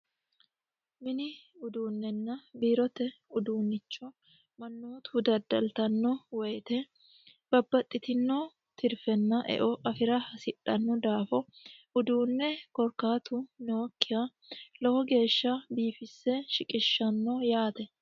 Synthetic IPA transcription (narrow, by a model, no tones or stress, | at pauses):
mɪnɪʊd̪uːnːɛnːɐbiːɾɔt̪ɛʊd̪uːnːɪt͡ʃːɔ | mɐnːo̞ːt̪ʊd̪ɐd̪ɐlt̪ɐnːɔwɛjt̪ɛ | b̥ɐbːɐt̪ʼːɪt̪ɪnːɔ | t̪ɪɾfɛnːɐʔɛ̰ʔɔʔɐfɪɾɐhɐsɪᶑɐnːɔd̪aːfɔʊd̪uːnːɛkɔɾkaːt̪ʊnoːkːɪja | lɐhɔɡe̞ːʃːɐbiːfɪsːɛʃɪkʼɪʃːɐnːɔjaːt̪ɛ